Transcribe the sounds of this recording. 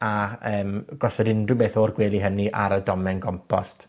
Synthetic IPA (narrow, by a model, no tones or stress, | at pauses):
aəːmɡ̥ɔsɔdɪndrɨbeːθoːrɡweːlˠiɦəniʔa̰ɾədɔmɛnɡɔmpʰɔ̰stʰ